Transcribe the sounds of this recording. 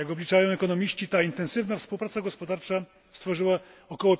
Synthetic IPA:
jaɡɔblʲit͡ʂajɔ̃w̃ɛkɔnɔmʲiɕt͡ɕit̪aint̪ɛ̃nsɘvnafspuwpɾat̪saɡɔspɔd̪aɾt͡ʂa | st̪fɔʐɘwaɔkɔwɔ

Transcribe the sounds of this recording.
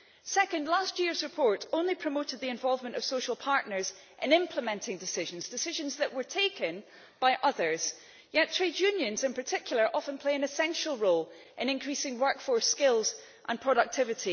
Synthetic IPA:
sɛkə̃ndˡlˠastjiɹzɹɪpʰɔɹʔõnlˠipʰɹ̥əmoʔɪd̪̚ðiɪ̃ɱvɔlˠvmə̃nʔəv̥soʃəl̩ˠpʰaɹʔnə˞z | ʔɪ̃nɪ̃mpʰlˠəmɛ̃ntʰɪ̃ŋdɪsɪʒə̃nzdɪsɪʒə̃nzðəʔwə˞tʰekʰə̃n | b̥aɪʔʌðə˞z̥ | jɛtʰɹ̥edjʉ̃njə̃nzɪ̃npʰə˞tʰɪkʰjl̩ˠə˞ʔɔfə̃npʰl̥eɪɨ̃nɪsɛ̃nʃəl̩ˠɹolˠ | ʔɪ̃nɪ̃nkʰɹ̥isɪ̃ŋwɜ˞kfəɹskɪlˠz̥ | ʔə̃npʰɹ̥ɔɾək̚tʰɪvɪʔi

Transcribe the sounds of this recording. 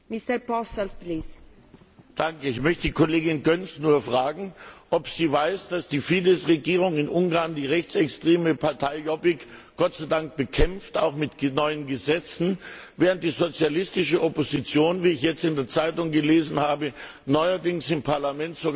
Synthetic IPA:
mist̪əɾpɔsɛltpliːs | d̥aŋkəɪçmœçtədiːkʰoleːɡɪnɡœnsnuːɐfʁ̥aːɡŋ̩ʔɔpz̥iːvaɪsd̥asd̥iːfiːdəsʁeɡiːʁ̞ʊŋɪnʔʊŋɡaɐndiːʁɛçt͡sɛkstʁ̥eːməpʰaɐtʰaɪjɔbɪkɡ̥ɔtt͡saɪdaŋk̚b̥əkʰɛmftaʊxmɪtnɔʏənɡəzɛt͡sn̩vɛːʁənt̚d̥iːzot͡sjalɪstɪʃəʔɔpozit͡sjoːnviːɪçjɛt͡stɪndeːɐt͡saɪtʊŋɡəleːzn̩haːbə | nɔʏɐdɪŋsɪmpʰaɐlamɛntz̥oɡ

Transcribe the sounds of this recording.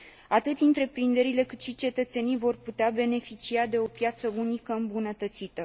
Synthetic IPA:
at̪ɨt̪sʲɨnt̪ɾe̞pɾind̪e̞ɾile̞kɨt̪ʃit͡ʃe̞t̪ət̪se̞nijvo̞rput̪eabe̞ne̞fit͡ʃiad̪e̞o̞pjat̪səunikəɨmbunət̪ət̪sit̪ə

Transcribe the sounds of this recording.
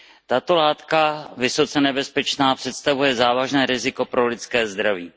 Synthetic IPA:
t̪at̪o̞laːt̪kavɪso̞t͡sɛnɛbɛspɛt͡ʃnaːpr̥ɛt̪st̪avujɛzaːvaʒnɛːɾɪzɪko̞pɾo̞lɪtt͡skɛːzd̪ɾaviː

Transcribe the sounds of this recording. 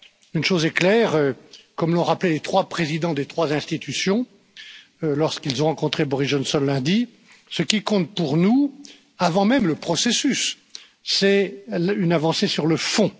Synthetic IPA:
ynʃozɛklɛːʁøkɔmlɔ̃ʁaplɛlet̪χwapχezid̪ɑ̃d̪et̪χwazɛ̃st̪it̪ysjɔ̃ | lɔʁskilzɔ̃ʁɑ̃kɔ̃t̪χebɔʁisʒɔnsɔnlɛ̃d̪i | səkʲikɔ̃t̪̚puʁnu | avɑ̃mɛmləpχɔsesysː | ɛynavɑ̃sesyʁləfɔ̃

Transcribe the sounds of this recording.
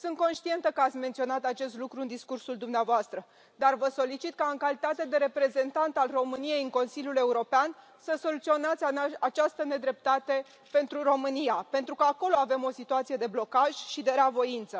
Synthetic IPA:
sɨnt̪̚ko̞nʃt̪ie̞nt̪əkəat̪sʲme̞nt̪sio̞nat̪at͡ʃe̞st̪lukɾuɨnd̪iskursuld̪umneavoast̪ɾə | d̪arvəso̞lit͡ʃit̪̚kaɨŋkalit̪at̪ed̪e̞ɾe̞pɾe̞ze̞nt̪ant̪alro̞mɨnije̞jɨŋko̞nsilʲjule̞uɾo̞pean | səso̞lut̪sio̞nat̪sʲaat͡ʃast̪əne̞d̪ɾe̞p̚t̪at̪e̞ | pe̞nt̪ɾuro̞mɨnijape̞nt̪ɾukəako̞lo̞ave̞mo̞sit̪uat̪sije̞d̪e̞blo̞kaʒ̥ʲʃid̪e̞ɾeavo̞int̪sə

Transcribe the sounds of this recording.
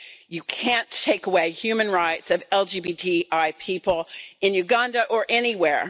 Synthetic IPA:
jɨkʰæ̃ntʰeɪkəweɪhjʉmɨ̃nɹaɪtsʌvɛlˠd͡ʒibitʰiʔaɪpʰipl̩ˠɨ̃njʉɡɑ̃ndɨʔə˞ʔɛniwɛɹ

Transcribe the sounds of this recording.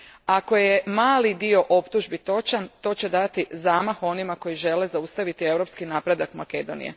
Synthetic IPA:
ako̞je̞maːlid̪io̞ʔo̞pt̪uʒbit̪o̞t͡ʃant̪o̞ːt͡ɕe̞d̪at̪izaːmaxo̞nimako̞jiʒe̞le̞zaust̪aʋit̪ie̞wɾopskinaːpɾe̞d̪akmake̞d̪o̞̰nḭjḛ

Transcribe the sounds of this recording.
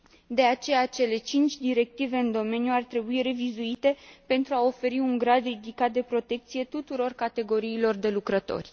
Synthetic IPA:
d̪e̞at͡ʃe̞jat͡ʃe̞le̞t͡ʃint͡ʃʲd̪iɾe̞k̚t̪ive̞ɨnd̪o̞me̞njuart̪ɾe̞buiɾe̞vizuit̪e̞pe̞nt̪ɾuao̞fe̞ɾiuŋɡɾad̪rid̪ikat̪̚d̪e̞pɾo̞t̪e̞k̚t̪sije̞t̪ut̪uɾo̞rkat̪e̞ɡo̞ɾiːlo̞rd̪e̞lukɾət̪o̞̰rʲ

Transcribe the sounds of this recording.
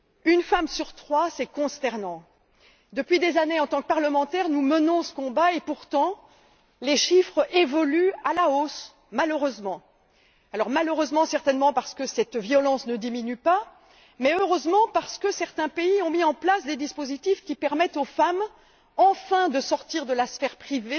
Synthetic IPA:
ynfamsyʁt̪χwasɛkɔ̃st̪ɛʁnɑ̃ | d̪əpɥid̪ezaneɑ̃t̪ɑ̃kəpaʁləmɑ̃t̪ɛʁnumənɔ̃sə̥kɔ̃baepuʁt̪ɑ̃ | leʃifχevɔlyalaos | maløʁøzmɑ̃ | alɔʁmaløʁøzmɑ̃sɛʁt̪ɛnmɑ̃paʁsə̥kəsɛt̪vjɔlɑ̃snəd̪iminypa | mɛøʁøzmɑ̃paʁsə̥kəsɛʁt̪ɛ̃peiɔ̃miɑ̃plasd̪ed̪ispozit̪ifkʲipɛʁmɛt̪ofam | ɑ̃fɛ̃d̪əsɔʁt̪iʁd̪əlasfɛʁpχive

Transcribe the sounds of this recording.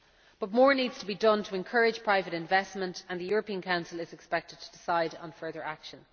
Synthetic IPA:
b̥ʌt̚mɔːɹniːdz̥tʰəbidʌ̃ntʰəɛ̃nkʰɜɹɪd̥ʒ̥pʰɹ̥aɪvəɾɪ̃ɱvɛsmə̃ntə̃nðəjɔːɹəpĩə̃nkʰãʊ̃nsəlɪzɛkspɛk̚tɪd̚tʰədɪsaɪdn̩fɜ˞ðə˞akʃə̃n

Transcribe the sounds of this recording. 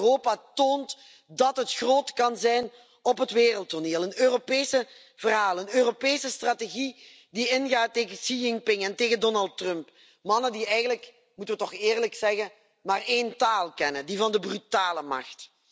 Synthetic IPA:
roːpatoːnt | dɑtɦətxroːtkɑnzɛjn | ɔpɦətʋeːrəlˠtoneːlˠənøːropeːsə | v̥ərɦaːlˠənøːropeːsəstrateɣi | diɪnɣaːtːeːɣəsiɪŋpɪŋɛnteːɣədɔnɑlˠtrœmp | mɑnədiɛjɣənlək | mutəʋətɔxɪːrləksɛɣə | maːreːntaːlˠkɛnədivɑndəbrytaːləmɑ̰xt

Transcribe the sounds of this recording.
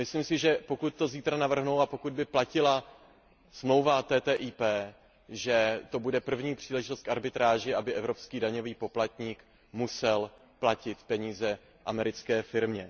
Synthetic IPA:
mɪsliːmsɪʒɛpo̞kut̪̚ːo̞ziːt̪ɾanavr̩ɦnowapo̞kud̪̚bɪplacɪla | smlo̞wvat̪ɛːt̪ɛːʔiːpɛː | ʒɛt̪o̞budɛpr̩vɲiːpr̝̥iːlɛʒɪt̪o̞st̪kaɾbɪt̪ɾaːʒɪʔabɪʔɛvɾo̞pskiːdaɲo̞viːpo̞plat̪ɲiːk | musɛl | placɪt̪pɛɲiːzɛ | ʔamɛɾɪt͡skɛːfɪɾmɲɛ

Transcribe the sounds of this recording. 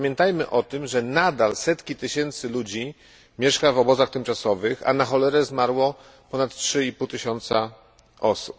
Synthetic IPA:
mʲjɛnt̪ajmɘʔɔt̪ɘmʐɛnad̪alsɛt̪kʲit̪ɘɕɛnt̪sɘlud͡ʑi | mʲjɛʂkavɔbɔzaxt̪ɘmt͡ʂasɔvɘxa̰naxɔlɛɾɛzmaɾwɔ | pɔnat̪tʂɘipuwt̪ɘɕɔnt̪sa | ʔɔsup

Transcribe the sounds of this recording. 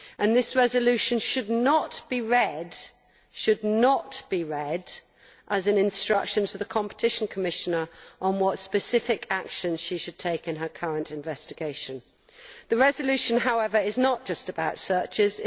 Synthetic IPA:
ʔə̃nðɪsɹɛzəlʉʃɨ̃nʃɨdⁿnətb̥iɹɛd | ʃɨdⁿnətb̥iɹɛd | ʔəzɨ̃nɨ̃nstɹ̥ʌ̰kʃɨ̃ntʰəðəkʰɑ̃mpə̥tʰɪʃn̩kʰəmɪʃənə˞ʔə̃nwɒtspɨsɪfɪkʰakʃɨ̃nz̥ʃiʃɨd̚tʰeɪkɨ̃nəkʰʌɹə̃ntɨ̃ɱvɛstɨɡeɪʃɨ̃n | ðɨɹɛzəlʉʃɨ̃nɦaʊɛvə˞ɪznət̚d̥ʒ̥ʌstɨbaʊtsɜˑ˞t͡ʃɪz

